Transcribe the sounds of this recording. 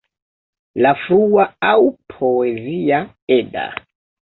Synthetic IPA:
lafɾuwaaupʰɔezia | ɛda̰

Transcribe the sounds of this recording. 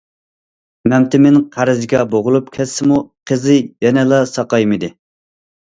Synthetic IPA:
mɛmt̪ʰɪmɪnqʰæɾɪzɡʲɑboʁʊlˠupkʲʰɛsːɪmuqʰəzɪjɛnɛlˠɑsɑqɑjmɨd̪ɪ

